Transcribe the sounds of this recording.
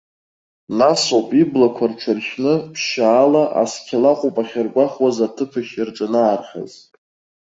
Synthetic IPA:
nasopʼiblakʷʰarʈ͡ʂʰɨrʃnɨpʰʃaːlaʔa̰skʲʰalaqʼʊpʼaχʲarkʷʼaχwazatʰɨpʰɨʃɪrʈ͡ʂʼanaːrχʲa̰z

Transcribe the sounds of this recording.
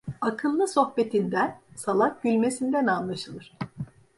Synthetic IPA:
akʰɯlˠːɯso̞xpe̞t̪ʰind̪ænsalˠak̚ɟylʲme̞sind̪ænanlˠaʃɯlˠɯɾ̥

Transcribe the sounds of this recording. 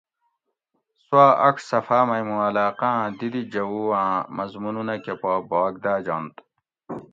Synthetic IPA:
swaːʔɐksɐfaːmɐjmũɐlaːqãːd̪id̪id͡ʑɐwuwãːmɐzmununɐkepaːbaːɡ̚d̪aːd͡ʑant̪

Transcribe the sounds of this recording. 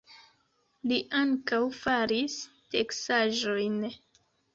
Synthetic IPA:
liʔaŋkawfaɾis | teksaʒo̞jn

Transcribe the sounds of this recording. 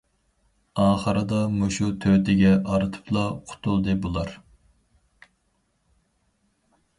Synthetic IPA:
ɑːχəɾɨd̪ɑmuʃut̪ʰøt̪ʰɪɡʲɛʔɑɾɨt̪ʰɨ̥pʰlˠɑqʰʊ̥t̪ʰulˠd̪ɨbolˠɑɾ

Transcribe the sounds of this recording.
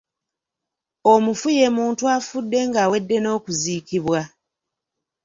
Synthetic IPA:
o̞mufuje̞ːmuːntuafudːe̞ŋɡaːwe̞dːe̞no̞ːkuzikiβwa

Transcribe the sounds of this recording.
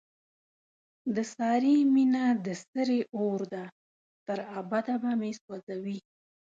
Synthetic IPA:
d̪əsɑɾiminad̪əst̪əɾeoɾd̪a | t̪əɾabad̪abameswazawi

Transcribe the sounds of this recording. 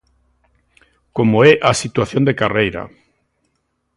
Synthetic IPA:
komoɛʔasit̪waθjond̪ekarejɾa̰

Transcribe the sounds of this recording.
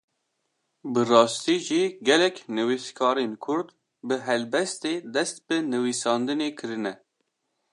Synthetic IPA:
bɨrɑːst̪iːʒiːɡɛlɛknɨwiskʰɑːɾenkʰʊɾd̪ | bɨɦɛlbɛst̪eːd̪ɛst̪̚bɨnɨwisɑːnd̪ɨneːkʰɨɾɨnɛ

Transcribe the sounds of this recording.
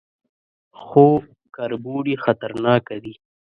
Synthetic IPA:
xoː | kɐɾbuːɽixɐt̪ɐɾnɑːkad̪i

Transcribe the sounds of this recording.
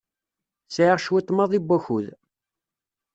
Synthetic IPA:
sʕiʁʃwit̪ˤːmɑðˤibʷːæçuð

